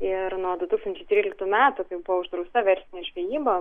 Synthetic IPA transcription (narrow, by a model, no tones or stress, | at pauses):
ɪrnuɔd̪ʊt̪ukst̪ɐnʲt͡ʃʲɛɪt̪ʲɾʲiːlʲɪkt̪umʲæːt̪ʊkɐɪbuʋʊʒd̪ɾɐʊst̪ɐʋʲɛɾʲsʲɪnʲeːʒʲʋʲeːjiːbo